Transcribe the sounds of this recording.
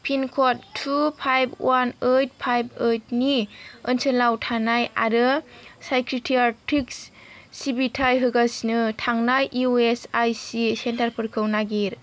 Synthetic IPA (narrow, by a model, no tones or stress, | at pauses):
pʰinkʰotʰːupʰajbwʔanət̚pʰajbət̚niənsɯlawtʰanaja̰ɾɯsajkʰɾitʰiaɾtʰiks | sibitʰajɦɯɡasnɯtʰaŋnajʔiuesajsisentaɾpʰɯɾkʰɯwnaɡiɾ